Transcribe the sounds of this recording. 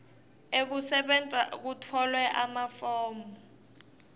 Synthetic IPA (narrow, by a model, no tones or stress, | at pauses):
ek̬usɛɓɛnt͡sʼa̰k̬utʰɔlwɛʔamafɔːmbɔ